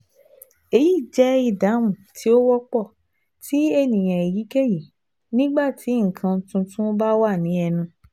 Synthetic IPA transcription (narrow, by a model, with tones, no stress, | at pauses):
e˧ji˦˨d͡ʒɛ˨˦i˦˧˨da˨˦mũ˦˨tʰi˨˦o˦wɔ˦k͡pɔ˦˨ | ti˦e˦˨nĩ˨j̃ã˨e˨ji˨˦ke˦ji˨ | nĩ˦ɡ͡ba˦˨ti˨˦ŋ̩˨kʰã˧˦tũ˧tũ˦ba˦wa˦˨nĩ˨˦ɛ˧nũ˧